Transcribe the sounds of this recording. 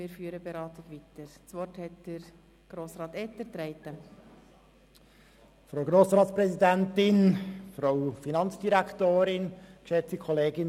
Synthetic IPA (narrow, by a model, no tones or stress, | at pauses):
mɪːɾfyːəɾəbeɾɑːt̪ɪtʋit̪əɾt͡sʋɔrthɛt̚d̥əɾ | ɡ̥ɾoːsɾɑːt̪ɛtəɾt̪ɾɛɪt̪ə | fɾoʊɡɾoːsɾɑːtsprɛsidæntɪnfɾɑʊfinɑnt͡sd̥iɾækʰtoːɾɪnkʃɛt͡sikʰɔleːɡɪn